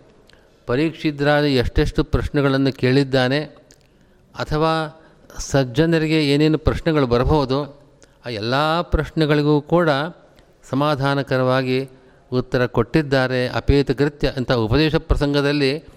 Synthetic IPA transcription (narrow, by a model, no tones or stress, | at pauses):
pɐɾiːkʂid̪ɾaːd̪ieʂʈeʂʈupɾɐʃnɛɡɐɭɐnːuke̞ːɭid̪ːaːne̞ | ɐt̪ʰɐʋaː | sɐd͡ʒɐnd̪ɐɾiɡe̞eːneːnupɾɐʃnɛɡɐɭubɐɾɐboɦud̪u | aːɛlːaːpɾɐʃnɛɡɐɭiɡuːkuːɽɐ | sɐmaːd̪ʱaːnɐkɐɾɐʋaːɡi | ut̪ːɐɾɐkoʈːid̪ːaːɾe̞ɐ̰peːt̪ɐkɾit̪jɐɐnt̪ɐɦaupɐd̪ɛːʃɐpɾɐsɐŋɡɐd̪ɐlːi